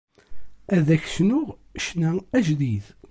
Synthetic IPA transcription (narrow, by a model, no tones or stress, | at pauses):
æðæçsnʊʁʃnææʒðið